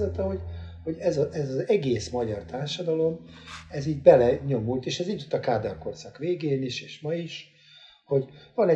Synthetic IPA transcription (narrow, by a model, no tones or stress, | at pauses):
zɛt̪ɛɦo̞ɟho̞ɟɛzɒʔɛzɒzɛɡeːsmɒɟɒrt̪aːrʃɒd̪ɒlo̞mɛziːɟbɛlɛɲo̞mult̪eːʃɛziɟ̪yt̪ːɒkaːd̪ɒrko̞rsɒkʋeːɡeːniʃeːʃmɒiʃ | ho̞ɟvɒnɛ